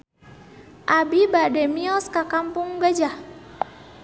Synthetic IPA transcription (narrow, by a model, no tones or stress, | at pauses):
ʔabibadɛmiɔskakampuŋɡad͡ʒa